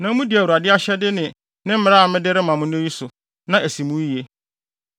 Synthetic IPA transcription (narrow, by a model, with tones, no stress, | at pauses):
nã˨˦mũ˦di˨æ˨u˨a˨dɪ˦a˦ɕɛ˦dɪ˦nɪ̃˨ | nɪ̃˦m̩˦ɪ˦ɾa˦˨˦mɪ̃˦dɪ˦ɾɪ˦mã˨mʊ̃˦ñ˦ji˦sʊ˨ | nã˨ʔæ˨sĩ˨mũ˦˨e˦